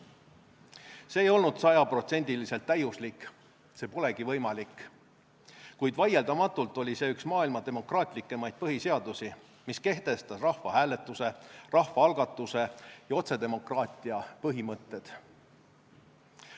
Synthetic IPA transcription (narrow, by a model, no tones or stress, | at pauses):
se̞ːjo̞lnud̪̥sɑjɑpro̞t̪se̞nʲd̪̥ilise̞lt̪ːæjuslikː | se̞ːpo̞le̞ɡ̥ivɤjmɑlikː | kujd̪̥vɑje̞ld̪ɑmɑt̪ːˑult̪ːˑo̞lʲise̞ːyksmɑːilmɑt̪e̞mo̞krɑːt̪ˑlikːˑe̞mɑjd̪̥̚pɤɦise̞ɑd̪̥usi | miske̞ht̪e̞st̪ɑsrɑhfɑhæːle̞t̪ːˑuse̞rɑhfɑɑlɡ̥ɑt̪ːˑuse̞jɑo̞t̪se̞d̪e̞mo̞krɑːt̪ˑiɑpɤɦimɤt̪ːˑe̞d̪̥